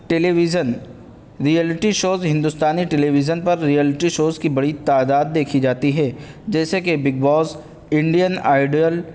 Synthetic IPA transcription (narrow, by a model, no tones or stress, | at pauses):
ʈɛlʋzən | ɾiɛlɪʈiʃoːzɦɪ̃nd̪ust̪aːniʈɛliʋɪzənpɐɾːijəlɪʈiʃoːzkibɐɽit̪aːd̪aːd̪̚ːeːkʰid͡ʒaːt̪iɦɛːd͡ʒɛːsekebɪɡ̚bɔːz | ɪ̃ɳɖijəna̰ːɪɖiəl